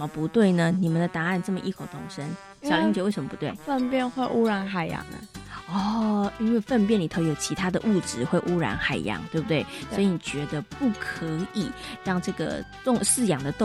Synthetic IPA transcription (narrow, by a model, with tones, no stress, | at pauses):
mə˧pu˧˥t̪we˥˩ɪnə˩ni˨˩mə˨˦nd̪ə˩t̪a˧˥a˥˧nʈ͡ʂɤ˥˩mə˨ʔi˥˩kʰo˨˩ʊt̪ʰʊ˥˩ŋʂə˦n | ɕɑ˨li˥ŋt͡ɕɥɛ˧˥˦wɪʂə˧˦mə˩pu˧˦t̪we˥˩ɪfə˥˧npjɛ˥˧nxwe˥˧ɪʔu˥ɻa˧˥nxa˨˩ɪjɑ̰˧˥˦ŋnə̰˧ɔ˥˩i˥nwe˥˧ɪfə˥˧npjɛ˥˩nli˨˩t̪ʰo˥ʊjo˨˩ʊt͡ɕʰi˧˥t̪ʰa˥d̪ə˨ʔu˥˩ʈ͡ʂɻ̩˨˦xwe˥˩ɪʔu˥ɻa̰˧˥nxa˨˩ɪjɑ̰˧˥ŋt̪we˥˩ɪb̚u˩t̪we˥˩ɪswi˧ni˨˩t͡ɕɥɛ˧˥d̪ə˧pu˥˩kʰə˧˦˥i˨˩ɻɑ˥˧ŋʈ͡ʂɤ˥˩ɡə̰˩t̪ʊ˥˧ŋsɹ̩˥˩jɑ˨˩ŋd̪ə˦t̪ʊ˥˧